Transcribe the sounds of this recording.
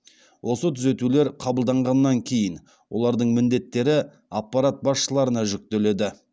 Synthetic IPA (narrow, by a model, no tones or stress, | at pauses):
wʔo̞sət̪ʰʏze̞t̪ule̞ɾqʰɑbəlˠd̪ɑɴʁɑnːɑŋkʲʰe̞jɪn | wolˠɑɾd̪əɴmɪnd̪e̞t̪ːe̞ɾɪ | apːɑɾat̪̚bɑsʃəlˠɑɾənɑʒʏk̚t̪e̞le̞d̪ɪ